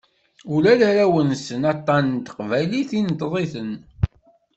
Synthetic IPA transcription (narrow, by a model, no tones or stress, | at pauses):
ulæləɾæwənsənɑt̪ˤːɑnt̪ə̥qvæjliθint̪ðˤiθən